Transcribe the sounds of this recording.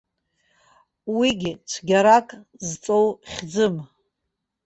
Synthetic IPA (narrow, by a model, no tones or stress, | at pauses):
wiɡʲɪt͡ʃʷʰɡʲaɾakʼzt͡sʼowχʲd͡zɨm